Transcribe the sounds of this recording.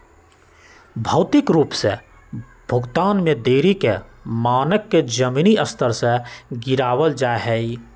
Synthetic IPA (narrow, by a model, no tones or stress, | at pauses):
bʱɐʊt̪ɪkɾuːpsḛ | b̥ʱʊɡt̪aːnmẽd̪eːɾikemaːnəkːed͡ʒəmiːniəst̪ʰəɾseɡɪɾaːwəld͡ʒaːeɦɛi